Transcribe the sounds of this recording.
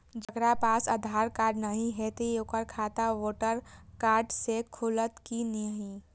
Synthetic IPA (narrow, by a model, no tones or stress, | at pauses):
d͡ʒɐɡɾapaːsad̪ʱaːɾkaːɾɖnəɦĩɦɛt̪ejoːkəɾkʰaːt̪aʋoːʈəɾkaːɾɖsekʰʊlət̪kinɪjəɦi